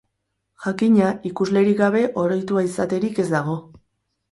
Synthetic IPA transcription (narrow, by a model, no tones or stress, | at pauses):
ʝakiɲaikuzle̞ɾiɡaβ̞e̞ʔo̞ɾojt̪uaisat̪e̞ɾike̞zd̪aɣ̞o̞